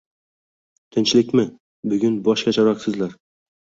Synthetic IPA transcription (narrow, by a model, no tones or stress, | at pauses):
t̪ʰɪnt͡ʃlɪkʲmɪ | bʊɡʲʊnbɒʃkʲat͡ʃʰaɾɒqsɪzlaɾ